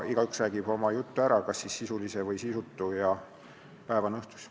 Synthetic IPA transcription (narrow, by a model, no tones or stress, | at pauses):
iɡ̥ɑyksræːɡ̥ib̥o̞mɑjut̪ːuæɾɑkɑsːisːisulisevɤjsisut̪ːujɑ | pæe̞vɑnɤht̪u̥s